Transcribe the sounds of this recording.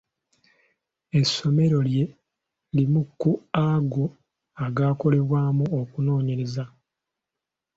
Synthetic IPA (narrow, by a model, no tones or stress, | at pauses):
e̞sːo̞me̞ɾo̞lje̞ | limukːuaɡo | aɡaːko̞le̞βwaːmuokuno̞ːɲe̞ɾe̞za